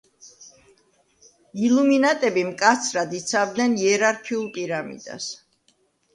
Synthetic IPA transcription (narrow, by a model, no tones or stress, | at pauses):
iluminat̪ʼɛbimkʼat̪sʰɾad̪it̪sʰavd̪nɛniɛɾaɾkʰiulˠpʼiɾamḭd̪̥a̰s